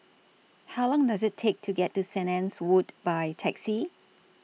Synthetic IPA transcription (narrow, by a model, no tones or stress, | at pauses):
haʊlɔ̃ŋdazɪtʰːek̚tʰuɡɛtːusɛnɛ̃nswudbajtʰɛksi